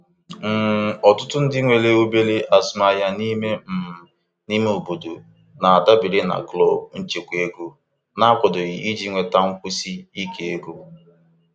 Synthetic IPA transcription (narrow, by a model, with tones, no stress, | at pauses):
m̩˦˨ɔ˨tʊ˦tʊ˦n̩˦dɪ˦ŋʷe˨le˦o˦be˦le˦ʔa˨sma˨ja˨ni˦me˦m̩˨ | ni˦me˦o˨bo˨do˨ | na˨a˨da˦bɪ˨ɾɪ˦na̰˨ɡlɔ˦˨b̚n̩˦t͡ʃe˨kʷe˦ɡo˦ | na˦kʷɔ˨dɔ˨ɣi˨i˦d͡ʒi˦ŋʷe˨ta˦ŋ̩˦kʷu˦si˦i˦kʰe˨e˦ɡo˦